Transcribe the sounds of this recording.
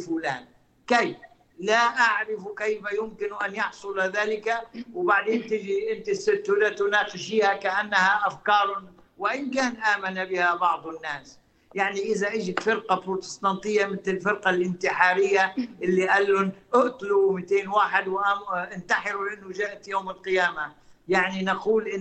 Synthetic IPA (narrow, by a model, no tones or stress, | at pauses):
fuːlaːn | kejf | laʔaʕɾɪfkejfajʊmkɪnʔanjɑħsˤʊlaðaːlɪkawbaʕd̪eːnt̪ɪd͡ʒiʔɪnt̪isːɪt̪ːʊlat̪ʊnaːqɪʃiːhakaʔanːahaʔafkɑːɾˤʊ | wɪʔɪnkaːnʔaːmanabɪhabɑʕd̪ˤɪnːaːs | jaʕniʔɪzaʔɪd͡ʒɪfɪɾqɑbɾot̪ɪ̥st̪ɑnt̪ˤɪjːamɪt̪ɪlfɪɾqalʔɪnt̪ɪħɑːɾɪjːaʔɪlːiʔalːʊnʔʊʔt̪ˤlumit̪eːnwaːħɪd̪wʔaʔɪnt̪aħɪɾulʔɪnːʊʒaːʔt̪joːmɪlqɪjaːmajaʕninaquːlʔɪ